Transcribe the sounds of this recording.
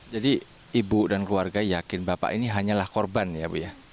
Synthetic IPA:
d͡ʒadi | ibudankluarɡajakɪnbapa̰ʔiniɦaɲalahkorbanjabuja

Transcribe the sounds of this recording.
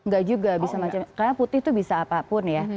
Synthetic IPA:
ŋɡaʔd͡ʒuɡabisamat͡ʃamkaɾaŋput̪ɪht̪ubisaːpapʊnja

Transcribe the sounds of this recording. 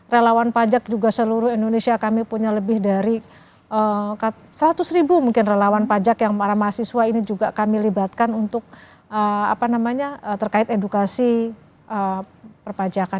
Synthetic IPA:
relawanpad͡ʒak̚d͡ʒuɡasəluɾʊhindonesiakamipuɲaləbɪhdaɾi | ʔəka | səɾat̪ʊsribumuŋkɪnrelawanpad͡ʒakjaŋmaɾahmaasisuainid͡ʒuɡakamilibat̪̚kanunt̪ʊk̚ | əa̰panamaɲaət̪ərkaɪt̪edukasi | ʔə | pərpad͡ʒaka

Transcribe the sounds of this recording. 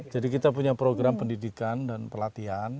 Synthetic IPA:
d͡ʒadikit̪apuɲapɾoɡɾampəndidikandanpərlat̪ian

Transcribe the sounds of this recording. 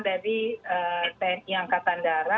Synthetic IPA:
daɾiət̪ɛiaŋkat̪andaɾa

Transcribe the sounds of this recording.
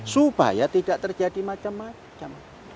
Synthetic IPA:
suba̰jat̪id̥aʔt̪ərd͡ʒadimat͡ʃamːa | t͡ʃam

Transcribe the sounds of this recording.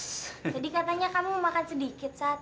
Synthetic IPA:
d͡ʒadikat̪aɲakamumakansədikɪt̪̚sat̪̚

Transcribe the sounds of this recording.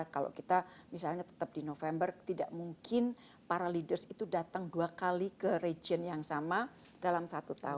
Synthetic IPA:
kalo̰kit̪amisalɲat̪ə̥t̪əp̚dinofɛmbərt̪ida̰ʔmuŋkʰɪn | paɾalidərsit̪udat̪aŋduakalikəred͡ʒiənjaŋsama | d̥alamsat̪ut̪a

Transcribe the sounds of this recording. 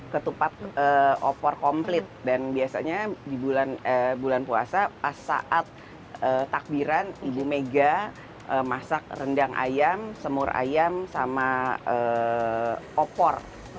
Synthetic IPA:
kət̪upat̪̚əo̰pɔrkomplɪt̪̚danbiasa̰ɲadibulanəbulanpua̰sapasa̰ʔat̪̚ | ət̪ːak̚biɾanibumeɡa | əmasak̚rəndaŋʔa̰jamsəmʊrʔa̰jamsamaə | ʔopɔr

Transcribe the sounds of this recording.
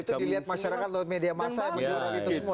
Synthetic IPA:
it̪udiliɦat̪̚maʃaɾakat̪̚laʊt̪̚mediamasajaŋməd͡ʒuɾabit̪usəmua

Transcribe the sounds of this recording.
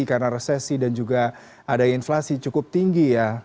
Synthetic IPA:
ikarənaɾesesidand͡ʒuɡa | adainflasit͡ʃukʊp̚t̪iŋɡija

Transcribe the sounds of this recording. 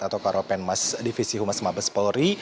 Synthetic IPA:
at̪awkaɾopɛnmasdifisiɦumasmabəspɔlɾi

